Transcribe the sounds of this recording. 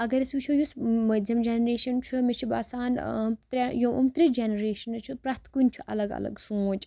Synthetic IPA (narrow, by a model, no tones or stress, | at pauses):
ɐɡɐɾisʋit͡ʃʰujusmɐd̪ʱɐmd͡ʒenɾeːʃɐnt͡ʃʰumet͡ʃʰuba̰ːsaːnt̪ɾʲejoʔṵmt̪ɾid͡ʒenɾeːʃɐnɐt͡ʃʰupɾɐt̪kunʲt͡ʃʰuʔɐ̰lɐɡɐ̰lɐ̰ɡsuːt͡ʃʼ